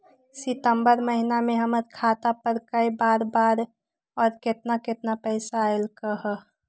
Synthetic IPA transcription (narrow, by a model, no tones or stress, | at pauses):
sɪt̪əmbəɾməɦinameɦəməɾkʰaːt̪apəɾkəjbaːɾbaːɾ | ɔːɾket̪naket̪napəɪsaelkəɦə